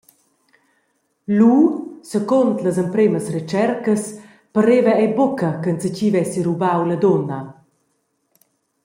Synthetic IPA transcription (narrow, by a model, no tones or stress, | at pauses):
lusəkont̪ləzəmpɾeməsret͡ʃɛɾkəs | pəɾevəɛjbokəkənsəcivɛsiɾubawləd̪ɔnə